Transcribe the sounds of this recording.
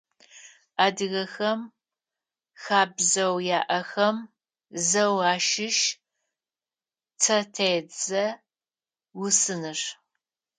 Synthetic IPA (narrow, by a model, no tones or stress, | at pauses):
aːdɨɣɐxɐm | xaːbzɐwjaːʔɐxɐm | zɐwaːʃɪʃ | tʰɐtʰed͡zɐ | wʊsɨnɨʂ